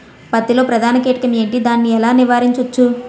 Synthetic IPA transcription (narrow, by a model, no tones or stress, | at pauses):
pɐt̪ːilo̞ːpɾɐd̪ʱaːnɐkeːʈikɐme̞ːɳʈid̪aːnːiɛlaːniʋaːɾiɲt͡ʃɐt͡ʃːu